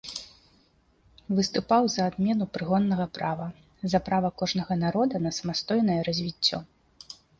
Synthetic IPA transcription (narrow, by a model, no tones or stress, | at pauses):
vɨst̪upawzɐːd̪mʲɛnupɾɨɣɔnːɐɣɐpɾavɐ | zɐpɾavɐkɔʐnɐɣɐnaɾɔd̪ɐnɐsɐmast̪ɔjnɐjɛɾɐzʲvʲit͡sʲːɔ̰